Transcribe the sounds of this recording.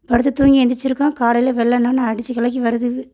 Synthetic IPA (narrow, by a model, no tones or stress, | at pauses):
pɐɽɯt̪ːɯt̪uːŋɡiɛnd̪ɪt͡ʃːɪɾɯkːãːkaːɽɐɪleʋɛɭːɐnːaːnãːɐɽɪt͡ʃːɯkɐlɐk̬ːiʋɐɾɯðɯɯ